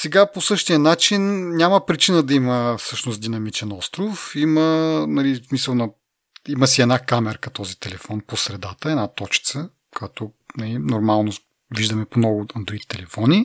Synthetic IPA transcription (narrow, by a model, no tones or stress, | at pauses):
sɛɡaposɤʃt̪ijənat͡ʃinnʲamɐpɾit͡ʃinəd̪ɐiməfsɤʃnost̪d̪inɐmit͡ʃɛnɔst̪ɾofimənɐlismisəlˠnɐ | iməsiɛd̪nakamɛɾkɐt̪ɔzit̪ɛlɛfɔnposɾɛd̪at̪əɛnat̪ɔt͡ʃi̥t̪sə | kʰat̪o | nɐlinoɾmalˠno | viʒd̪ɐmɛponɔɡʊɐnd̪ɾit̪t̪ɛlɛfɔni